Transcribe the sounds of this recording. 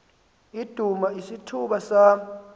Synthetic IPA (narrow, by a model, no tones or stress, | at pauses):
id̥ʱumaisitʰuɓasa